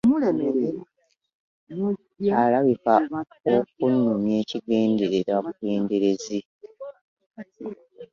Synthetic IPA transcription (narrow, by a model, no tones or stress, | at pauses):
eme | alaβika | ok̚unːumje̞ːciɡeːnde̞ɾeɾaβuɡeːnde̞ɾe̞zi